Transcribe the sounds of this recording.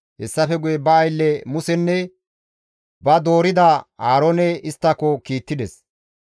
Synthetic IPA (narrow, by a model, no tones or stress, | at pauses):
hɛsːɐfɛɡʊjɛbɐːjlːɛmʊsɛnːɛ | bɐd̪o̞ːɾɪd̪ɐhaːɾoːnɛɪst̪ːɐkːɔkiːt̪ːɪd̪ɛs